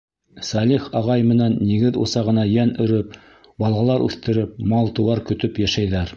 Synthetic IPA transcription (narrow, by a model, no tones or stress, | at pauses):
sɑlʲiχɑʁɑjmɘ̆nænːiɡɘðṵsɑʁɤ̆nɑjænɵ̆ɾɵp̚ | bɑlˠɑlˠɑɾʉ̰θt̪ɘ̆ɾɘp̚mɑlˠt̪ɤ̆wɑɾkɵ̆t̪ɵpjæʃæjðæɾ